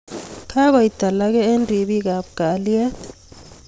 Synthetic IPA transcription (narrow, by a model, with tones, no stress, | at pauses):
kʰa˦ka˨i˨d̥ʱa˨lak̬ɛ˦e˦ndʱi˨ɓik̬a˨ɓuɡ̥ʱa˨liɛ˦